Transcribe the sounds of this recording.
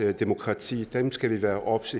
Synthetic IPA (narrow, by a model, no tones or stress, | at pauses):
d̥emo̝kʰʁɑ̈t͡sʰḭːd̥emsɡ̥æʋiʋæːɐʔɒ̽b̥se